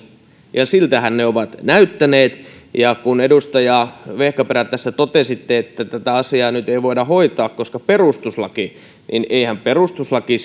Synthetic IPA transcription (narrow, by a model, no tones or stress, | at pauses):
jɑsilt̪æhænneoʋɑt̪næyt̪ːæneːt̪jɑkunedust̪ɑjɑʋehkæperæt̪ːæsːæt̪ot̪esit̪ːeet̪ːæt̪æt̪æɑsiɑːnyt̪eiʋoidɑhoit̪ɑːkkoskɑperust̪uslɑki | nineihæmperust̪uslɑki